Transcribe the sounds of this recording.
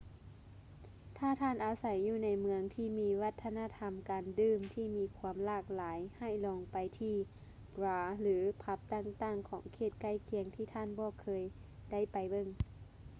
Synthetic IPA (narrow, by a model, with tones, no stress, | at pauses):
t̪ʰaː˧˥˩t̪ʰaː˧˥˨nʔa˨˧˩wsa˨˦jːuː˧˩na˨˧˥jmɯ˧˦əŋt̪ʰiː˧˩miː˧˥wa˧t̪ʰːa˧naː˧˥˨t̪ʰa˧mkaː˨ndɯː˧˩mt̪ʰiː˧˩miː˧˥kʰu˧˦əmlaː˧˩k̚laː˨˦jha˧˩jlɔː˨˧ŋpa˨jt̪ʰiː˧˩ | bɾaː˨˦lɯː˨˦pʰa˧˦˥p̚t̪aː˧˩ŋt̪aː˧˩ŋkʰɔː˩˦ŋkʰeː˧˩t̪̚ka˧˥˩jkʰi˨˩˦əŋt̪ʰiː˧˩t̪ʰaː˧˩˨nbɔː˧˩kʰɤː˧jda˥˩˨jpa˨jbɤ˧˩˨ŋ